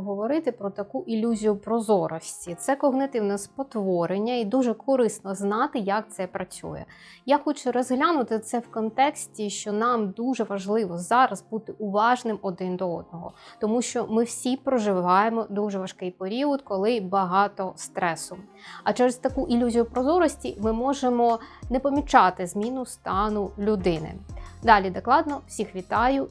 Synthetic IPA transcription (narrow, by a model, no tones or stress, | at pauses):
ɦɔʋɔɾɪt̪ɪpɾɔt̪ɐkuʔilʲːuzʲijʊpɾɔzɔɾɔsʲtʲit̪sɛkɔɣnɪt̪ɪwnɛspɔt̪ʋɔɾenʲːɐid̪uʒɛkʰɔɾɪsnɔznɑt̪ɪjɐk̚t̪sɛpɾɐt͡sʲṵjɛ̰ | jaxɔt͡ʃʊɾɔzɦlʲanʊt̪ɪt̪sɛwkɔnt̪ɛksʲtʲiʃt͡ʃɔnɑmd̪uʒɛʋɐʒlˠɪʋɔzɑɾɐzbut̪ɪʊʋɑʒnɪmɔd̪ɪnd̪ɔɔd̪̚nɔɦɔ̰t̪ɔmuʃt͡ʃɔmɪwsʲipɾɔʒɪʋɑjemɔd̪uʒɛʋɐʃkɪjpeɾʲiɔd̪kɔlˠɪbɐɦɑt̪ɔst̪ɾɛsʊ | ɐt͡ʃɛɾɪst̪ɐkuʔilʲuzʲijʊpɾɔzɔɾɔsʲtʲimɪmɔʒemɔnɛpɔmʲit͡ʃɑt̪ɪzmʲinʊst̪ɑnʊlʲʊd̪ɪnɪ̰d̪ɑlʲid̪ɔklˠɑd̪nɔw̥sʲixʋʲit̪ɑjʊ